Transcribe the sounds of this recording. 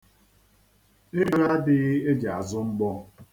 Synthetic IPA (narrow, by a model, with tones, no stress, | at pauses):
e˦ɾi˦ɾa˦dɪ˦ɣe˦d͡ʒa˨zʊ˦ŋ͡m̩˦ɡ͡bɔ˦